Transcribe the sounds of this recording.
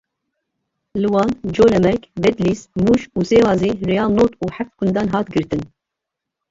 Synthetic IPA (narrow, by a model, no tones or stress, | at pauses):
lɨwɑːnd͡ʒoːlɛmɛɾkbɛd̪liːsmuːʃuːseːwɑːzeːrɛjɑːnoːt̪uːħaft̪kʷʊnd̪ɑːnɦɑːt̪ɡɨɾt̪ɨn